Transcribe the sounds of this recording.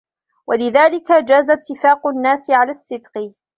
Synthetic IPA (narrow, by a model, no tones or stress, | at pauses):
wʔalɪðaːlɪkad͡ʒaːzat̪ːɪfaːqʊnːaːsɪʕalaːsːɪd̪q